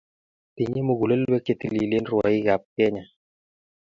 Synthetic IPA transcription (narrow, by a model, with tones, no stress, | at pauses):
ti˨ɲe˦mo˨ɡu˨le˦lwe˦ke˨t̪i˦˨li˨le˦nɾwɔ˨i˦ɡa˨p̚kɛ˦ɲa˨